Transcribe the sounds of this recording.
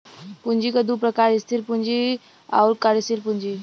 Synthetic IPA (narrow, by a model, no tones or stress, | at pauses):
pund͡ʒikəd̪upɾəkaːɾist̪ʰiɾpund͡ʒi | a̰ʊɾkaɾist̪ʰiɾpund͡ʒi